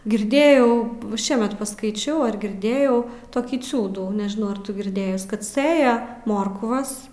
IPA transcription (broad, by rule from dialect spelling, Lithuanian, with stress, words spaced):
ɡʲɪrʲˈdʲeːjɛʊ ˈʃʲiɛmʲɛt pɐskɐɪˈt͡ʃʲɛʊ ɐr ɡʲɪrʲˈdʲeːjɛʊ toːˈkʲiː ˈt͡sʲuːduː nʲɛʒʲɪˈnɐʊ ɐr ˈtʊ ɡʲɪrʲˈdʲeːjʊs ˈkɐt ˈsɘjɛ ˈmoːrkʋɐs